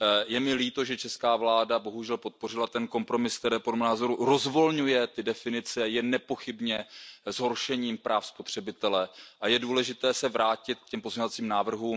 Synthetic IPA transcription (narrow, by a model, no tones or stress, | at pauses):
jɛmɪliːt̪o̞ʒɛt͡ʃɛskaːvlaːdabo̞ɦuʒɛlpo̞t̪̚po̞r̝ɪlat̪ɛnko̞mpɾo̞mɪsk̚t̪ɛɾɛːpodlɛmɛnaːzo̞ɾuɾo̞zvo̞lɲujɛt̪ɪdɛfɪnɪt͡sɛjɛnːɛpo̞xɪbɲɛzɦo̞ɾʃɛɲiːmpɾʔaːfspo̞t̪r̝̥ɛbɪt̪ɛlɛʔajɛduːlɛʒɪt̪ɛːsɛvɾaːcɪt̪̚kcɛmpozmɲovat͡siːmnaːvr̩ɦuːm